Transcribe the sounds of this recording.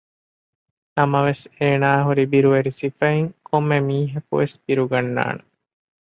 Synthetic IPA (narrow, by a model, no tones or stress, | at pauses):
nɐmɐʋeseːnaːɦuɾibiɾuʋeɾisifɐiŋkʰomːemiːɦɐkṵʋesb̥iɾuɡɐnːa̰ːne